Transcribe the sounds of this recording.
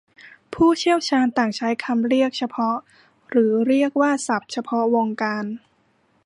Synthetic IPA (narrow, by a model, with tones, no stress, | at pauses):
pʰuː˥˩t͡ɕʰi˥˩əwt͡ɕʰaː˧nt̪aː˨˩ŋt͡ɕʰa˦˥jkʰa˧mɾi˥˩ək̚t͡ɕʰa˧pʰɔ˦˥ʔ | ɾɯː˩˦ɾi˥˩ək̚waː˥˩sa˨˩p̚t͡ɕʰa˧pʰɔ˦˥wo˧ŋkaː˧n